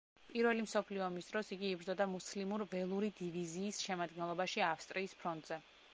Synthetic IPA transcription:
pʼiɾvɛlimsɔpʰliɔmisd̪ɾɔsiɡiːbɾd̪zɔd̪amuslimuɾvɛlˠuɾid̪iviziːsʃɛmad̪̚ɡɛnlˠɔbaʃiafst̪ʼɾiːspʰɾɔnt̪ʼz̥ɛ

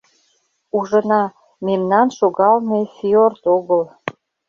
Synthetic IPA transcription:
uʒənɑ | memnɑnʃoɣɑlnefiort̪oɣəl

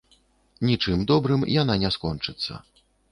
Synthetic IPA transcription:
nʲit͡ʂɨmd̪ɔbɾɨmjan̪anʲɛskɔnt͡ʂɨt̪sːɐ̰

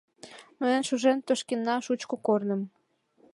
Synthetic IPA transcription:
məənʃuʒemt̪oʃkenːɑʃut͡ɕkokornə̆m

